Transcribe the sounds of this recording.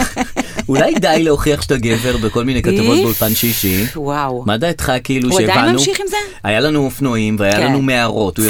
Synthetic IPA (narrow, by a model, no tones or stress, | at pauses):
ulajkedajleoχiaχʃtaɡe̞ve̞ʁbeko̞lminejkatavo̞t̪̚beulpanʃiʃiwamadaitχakiiluʃepanu | ajalanuofnoimveajalanumeaʁo̞tuj